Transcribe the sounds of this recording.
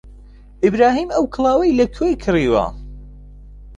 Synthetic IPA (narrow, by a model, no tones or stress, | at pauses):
ʔɪbɾaːɦiːmɐwkʰɨlˠaːwɐjlɐkʰojkʰɨriːwɐ̰